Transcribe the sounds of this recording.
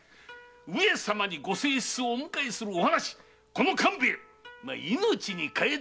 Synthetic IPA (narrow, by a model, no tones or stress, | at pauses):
ɯesamaɲ̟iɡo̞se̞ːɕi̥t͡sɨoːmɯ̟kaisɨɾɯ̟ohanaɕi̥ | ko̞no̞kʰãmbeː | ma̰ino̞t͡ɕiɲ̟ikae